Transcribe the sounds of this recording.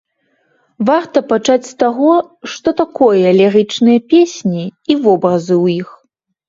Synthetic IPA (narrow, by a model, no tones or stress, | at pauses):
vart̪ɐpat͡ʂat͡sʲst̪aɣɔʂt̪ɔt̪akɔjɐːlʲɛɾɨt͡ʂnɨjɐpʲesʲnʲiivɔbɾɐzɨwjix